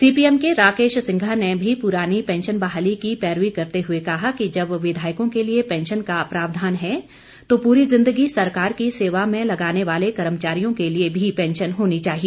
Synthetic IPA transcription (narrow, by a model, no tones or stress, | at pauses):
siːpiːɛmkeɾaːkeːʃsɪ̃ŋɡʱanebʱipʊɾaːnipɛ̃ːnʃənbaːɦalikipɛːɾʋikɐɾt̪eɦʊekɐɦakid͡ʒɐbʋɪd̪ʱaːɪkõkeliepɛ̃nʃənkaɐpɾaːʋd̪ʱaːnɦɛ | t̪opuːɾizɪ̃nd̪əɡisɐɾkaːɾkiseːʋamẽlɐɡaːneʋaːlekɐɾəmət͡ʃaːɾijõkeliebʱipɛ̃ːnʃənɦoːnit͡ʃaːɦie